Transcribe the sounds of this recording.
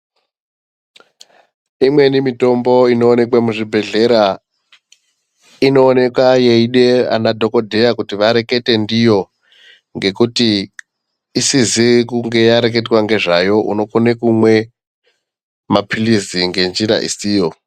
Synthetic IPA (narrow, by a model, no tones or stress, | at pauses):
imwe̞nimito̞mbo̞ino̞ːne̞kwamuʐibʱe̞ɮe̞ɾa | ino̞ːne̞kwajeiɗe̞a̰nadʱo̞ko̞dʱe̞jakutiʋaɾe̞ke̞te̞ndijo̞ | ŋɡe̞kuti | isizikuŋɡe̞jaɾek̬e̞twaŋɡe̞ʐajo̞ʔuno̞konekumwe̞ | mapʰiliziŋɡe̞nd͡ʒiɾa̰ʔḭsiːjo̞